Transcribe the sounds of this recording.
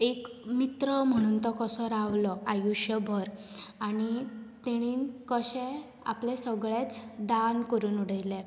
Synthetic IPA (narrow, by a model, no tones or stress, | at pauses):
ekmit̪ɾəm̤əɽ̃ũnt̪əkɔsəɾaʋlɔajuɕjəbʱəɾ | anit̪eɽ̃iːnkəɕɛ̃ | a̰plẽsəɡɭet͡sd̪ankəɾuːnuɽ̤əjle